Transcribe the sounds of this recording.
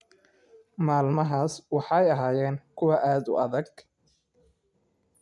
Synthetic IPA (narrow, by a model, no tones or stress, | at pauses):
maːlmɐɦaːswɑħɑjɐɦaːjɛːnkʰʊwɑʔaːd̪ʊ̰ʔɐðɐɡ̚